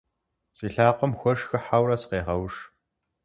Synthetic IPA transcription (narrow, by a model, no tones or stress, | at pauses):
sʼiːɬaːqʷɔmxʷɔʂxɨħawrɐsqeːʁɐwʂ